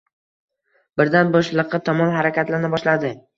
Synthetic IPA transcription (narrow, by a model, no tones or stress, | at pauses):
bɪɾd̪anbɒʃlˠɨqːɨt̪ʰɒmɒmhaɾakʲat̪laɾnɪbɒʃlad̪ɪ